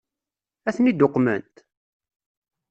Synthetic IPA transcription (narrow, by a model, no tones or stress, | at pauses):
æθnid̪ʊqːmənt̪